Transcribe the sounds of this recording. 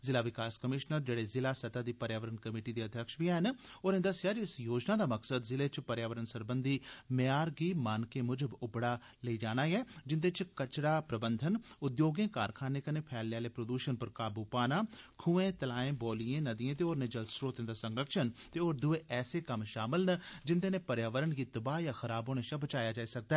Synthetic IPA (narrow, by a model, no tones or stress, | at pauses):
zɪlaːʋɪkaːskəmɪʃnəɾd͡ʒeːɽeːzɪlaːsət̪aːd̪iːpəɾjaːʋəɾənkəmiːʈiːd̪iːəd̪ʱjəkʃbiɛːɦən | oːɾẽnd̪əsɪjaːd͡ʒiɪsjoːd͡ʒnaːd̪aːməksəd̪zɪleːt͡ʃpəɾjaːʋəɾənsəɾbənd̪ʱiːmaːɾɡiːmaːnkeːmʊd͡ʒəbʊbɽaː | ləiːd͡ʒaːñaːjɛːd͡ʒɪnd̪et͡ʃkət͡ʃɽaːpɾəbənd̪ʱənʊd̪joːɡẽːkaːɾkʰaːneːkəneːpʰɛːlːjaːleːpɾod̪uːʃənpəɾkaːbuːpaːnaːkʰuːẽːt̪əlaːẽːboːlijẽːnəd̪iːẽːt̪̬eːoːɾneːd͡ʒəld̪sɾoːt̪ẽnd̪aːsəŋɡɾəkʃənt̪eːoːɾd̪ʊeːʔɛːseːkəmʃaːmɪlnəd͡ʒɪnd̪eːneːpəɾjaːʋəɾənɡiːt̪əbaːjaːxʰəɾaːboːneʃaːbət͡ʃaːjaːd͡ʒaːisək̚d̪aɛː